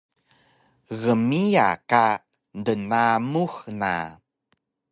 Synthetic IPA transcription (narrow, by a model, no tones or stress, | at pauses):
ɣəmija̰ka | ndənamuxna̰